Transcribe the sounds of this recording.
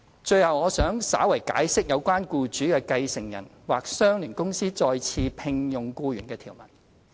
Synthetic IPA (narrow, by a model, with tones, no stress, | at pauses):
t͡ʃɵ˧ɥhɐ˨wŋɔː˨˧sœː˨˥ŋsa̰ː˨˥wɐ˨˩jka̰ː˨˥jsɪ˥k̚jɐ˨˧wkʷaː˥nkuː˧t͡ʃyː˨˥kɛː˧kɐ˧jsɪ˨˩ŋjɐ̰˨˩nwaː˨˩k̚sœː˥ŋlyː˨˩nkʊ˥ŋsiː˥t͡sɔː˧jt͡sʰiː˧pʰɪ˧ŋjʊ˨˩ŋkuː˧jyː˨˩nkɛː˧t̪ʰiː˨˩wmɐ̰˨˩n